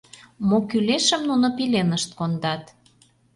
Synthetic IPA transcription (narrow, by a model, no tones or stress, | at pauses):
mokyleʃəmnunopilenəʃt̪̚kond̪ɑt̪